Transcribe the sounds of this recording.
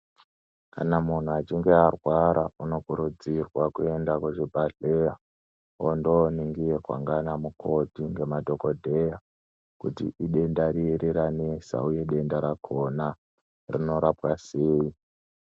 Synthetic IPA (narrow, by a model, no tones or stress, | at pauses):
ka̰namun̤uat͡ʃiŋɡe̞arwaɾauno̞kuɾud͡zirwakuendakuʐibʱaɮeja | ondoniŋɡijekwa̰ŋɡanamukʰo̞tiŋɡe̞madʱo̞ko̞dʱe̞ja | kutḭʔiɗe̞ndaɾiɾiɾanesa̰uje̞ɗe̞ndaɾakʰona | rino̞ɾapwaseːi